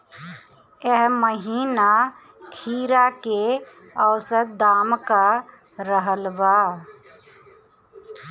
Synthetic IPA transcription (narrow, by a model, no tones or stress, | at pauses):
eɦməɦiːna | kʰiːɾake | əwsət̪̚d̪aːmka | ɾəɦəlba